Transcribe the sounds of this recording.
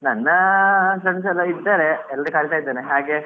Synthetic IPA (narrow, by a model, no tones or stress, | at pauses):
nɐnːɐsɾɐʈis̬ɐlːɐid̪ːeːɾeɛlːɐɾikaːɾit̪aːjd̪ːeːneɦaːɡe